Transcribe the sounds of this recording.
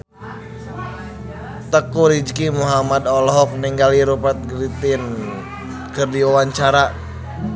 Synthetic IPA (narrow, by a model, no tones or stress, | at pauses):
t̪əkuɾid͡ʒkimuɦamad̪ɔlɦɔk̚niŋɡaliɾupət̪̚ɡɾit̪in | kɨrdiwawaɲt͡ʃaɾa